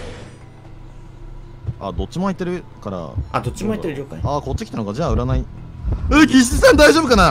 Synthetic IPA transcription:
a̰d̪o̞t͡ɕːimoait̪ːe̞ɾɯ̟kaɾa̰a̰d̪ot͡ɕːimoait̪ːeɾɯɾʲokaaːko̞t͡ɕːi̥kʲit̪anokad͡ʑaːɯ̟ɾanai | ɯkʲiɕ̬it͡ɕisãnd̪aiʑoːbɯkana

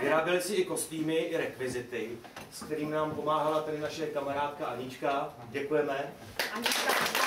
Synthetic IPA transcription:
vɪɾaːbɪlɪsɪʔɪko̞st̪iːmɪʔɪɾɛkvɪzɪt̪ɪ | skt̪ɛɾiːmnaːmpo̞maːɦalat̪ɛdɪnaʃɛkamaɾaːt̪kaʔaɲɪt͡ʃka | ɟɛkujɛmɛ | aɲɪka

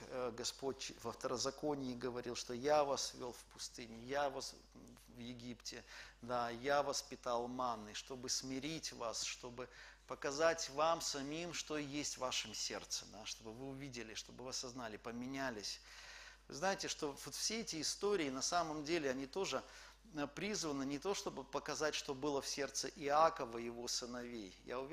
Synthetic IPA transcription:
ɡɐspo̞tʲvɐft̪əɾəzɐko̞nʲɪjɪɡəvɐɾʲilˠʂt̪o̞javasvʲo̰lˠfpʊst̪ɨnʲɪjavas | vjɪɡʲiptʲɪd̪ajavɐspʲɪt̪alˠmanːɨʂt̪o̞bɨsmʲɪɾʲitʲvasʂt̪o̞bɨpəkɐzatʲvamsɐmʲimʂt̪o̞jesʲtʲvaʂɨmsʲe̞̰rt̪sɨ̰d̪aʂt̪o̞bɨvɨʊvʲidʲɪlʲɪʂt̪o̞bɨvɨɐsɐznalʲɪpəmʲɪnʲælʲɪsʲ | vɨ̰znajɪtʲɪʂt̪o̞vot̪fsʲeɛtʲɪɪst̪o̞ɾʲɪːnɐsaməmdʲelʲɪɐnʲit̪o̞ʐɨ | pɾʲizvənɨnʲɪt̪o̞ʂt̪o̞bɨpəkɐzatʲʂt̪o̞bɨlˠəfsʲe̞rt̪səʔɪakəvəjɪvo̞sɨnɐvʲejja̰ʊvʲ

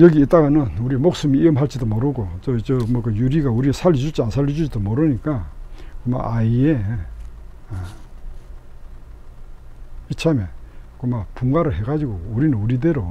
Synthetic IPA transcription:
jʌɡiːt͈aɣanɯnuɾimok̚sɯmiiɯmɦaɭt͡ɕid̪omoɾɯɡot͡ɕot͡ɕomokɯjuɾiɡauɾiesʰalːid͡ʑut͡ɕʰiansʰaɭːid͡ʑud͡ʑid̪omoɾɯɲikakoma̰ʔaie | it͡ɕʰamekomapʰuŋɡaɾɯɭɦeɡad͡ʑiɡouɾinɯnuɾid̪eɾo

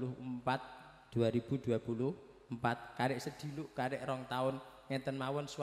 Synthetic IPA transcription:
lʊɦəmpat̪̚ | d̪̥uaɾib̥ud̪̥ṳapulʊh | mpat̪̚kaɾɪʔsəd̪̥i̤luʔkaɾɪʔrɔŋt̪aʊnŋɛt̪ənmawʊnsw

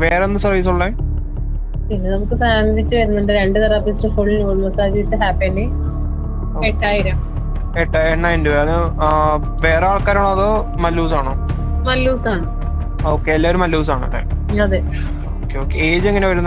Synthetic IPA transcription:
ʋeːreonːɨsɐrʋiːs̬uɭːɐj | inːɐnɐmukːɨsaːɐmɐd̪ʱit͡ɕːɨʋɐɾunːuɳɖeɾeɳɖɨt̪ɐɾaːpːisʈɐfoːɭinoːɭmɐsaːd͡ʑiit̪ːɨɦaːpːenɖi | eʈːaːjiɾam | eʈːaːjnːaːinduɐðɨ | ʋeːreaːɭkaːɾaːɳoɐðo | mɐlːuːsaːɳoː | mɐlːuːsaːɳɨ | o̞ːkːeelːaːoɾumɐlːuːsaːɳɨ̰ɾa̰ːɐðɨ | oːkːeoːkːeeːd͡ʑeŋːɐneʋɐɾunːɐ

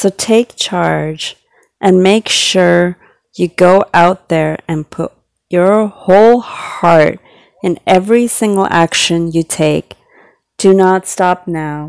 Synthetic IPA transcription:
soʊtʰeɪk̚t͡ʃʰɑɹd͡ʒ | ʔɨ̃nmeɪkʃʊɹ | jɨɡoʊʔaʊt̪̚ðə˞ɨ̃npʰʊ̰t͡ʃ̚ | ə˞hoʊlˠhɑɹɾ | ɨ̃nɛvɹisɪ̃ŋɡl̩ˠæ̰kʃɨ̃njɨtʰeɪk̚ | d̥ɨnətstɑp̚naʊ

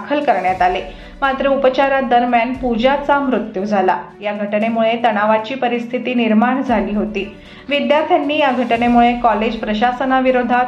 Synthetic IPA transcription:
akʰəlkəɾɳjat̪ale | mat̪ɾəupət͡ɕaɾat̪̚d̪əɾmjanpud͡ʑat͡samɾut̪jud͡zʱala̰ | jaɡʱəʈɳemuɭet̪əɽaʋat͡ɕiːpəɾist̪ʰit̪iːniɾmaɳd͡zʱaliːɦot̪iː | ʋid̪jaɾt̪ʰjanːiːjaɡʱəʈɳemuɭekɔled͡ʑpɾəɕasənaʋiɾod̪ʱat̪

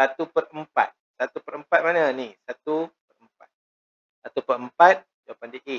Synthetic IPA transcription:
sat̪upərəmpa̰t̪̚sat̪upəɾəmpat̪̚manənisat̪upərəmpat̪̚ | sat̪upərəmpat̪̚ | d͡ʒawapandiʔe

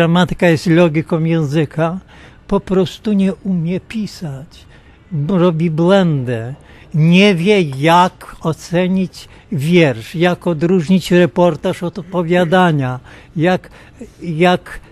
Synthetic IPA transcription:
amat̪ɘ̥kajɛst̪lɔɡʲikɔ̃w̃jɛ̃ñzɘkʰa | pɔpɾɔst̪uɲɛʔumʲjɛpʲisat͡ɕ | ɾɔbʲibwɛnd̪ɛ | ɲɛvʲjɛjakɔt̪sɛɲit͡ɕ | vʲjɛɾʂjakɔd̪ɾuʐɲit͡ɕɾɛpɔɾt̪aʂɔt̪pɔvʲjad̪aɲa | jak | jak

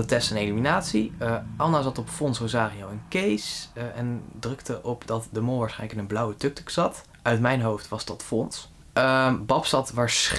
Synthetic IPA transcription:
ətɛstɛneliminaːtsiʔɑnazɑtɔpfɔnsozaːriowənkejsɛndrɵktəʔɔpdɑtdəmʊlˠʋaːsχɛjnləkɪnənblʌwətøk̚tə̥ksɑt | œɥtmɛjnɦowftʋɑsdɑtfɔns | bɑpsɑtʋaːɹs

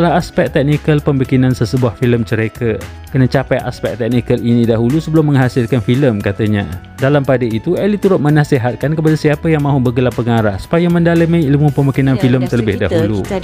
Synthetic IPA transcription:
dəlaɦaspɛk̚t̪ɛk̚nikəlpəmbikinãnsəsəbuahfiləmt͡ʃəɾeka | kənat͡ʃapajʔa̰spɛk̚t̪ɛk̚nikəlinidaɦulusəbəlʊmːə̃ŋɦasɪlkanfiləmkat̪əɲa̰ | dalampadəit̪uɛlit̪uɾʊt̪̚mənasiɦat̪̚kankəp̬adasiapəjaŋmãɦubəɡəlapːəŋaɾahsu̥pajamə̃ndaləmailmupəmbikinanfiləmt̪ələbɪhdaɦulu

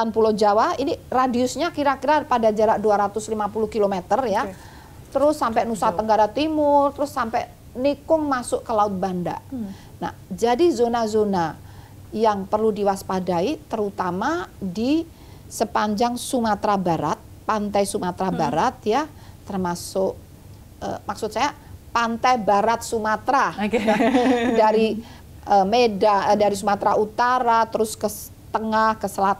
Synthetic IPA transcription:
anpulod͡ʒawainiradiʊsɲakiɾakiɾapadad͡ʒaɾaʔduaɾat̪ʊslimapulʊhkilomet̪ərja | t̪əɾʊsːampɛnusat̪əŋɡaɾat̪imʊrt̪əɾʊsːampɛ | nikʊŋmasʊʔkəlaʊt̪̚banda̰ʔ | na̰d͡ʒadizonazona | jaŋpərludiwaspadait̪əɾut̪amadi | səpaɲd͡ʒaŋsumat̪ɾabaɾat̪̚pant̪ajsumat̪ɾabaɾat̪̚ja | t̪ərmasʊk̚ | ə̰maksʊt̪̚sajapant̪ajbaɾat̪̚sumat̪ɾaokeadaɾi | ʔəmedadaɾisumat̪ɾaut̪aɾat̪əɾʊskə | t̪əŋahkəsəlat̪a

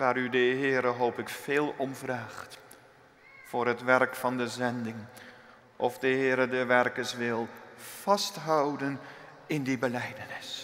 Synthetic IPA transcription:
ʋaːɾydəɦɪːɾəɦowpɪkfeːlˠɔmvraːχt | fʊːɾɦətʋɛrkfɑndəzɛndɪŋ | ʔɔfdəɦɪːɾədəʋɛrkəsʋɪlˠv̥ɑstɦʌwdən | ɪndibəlɛjdənɪs

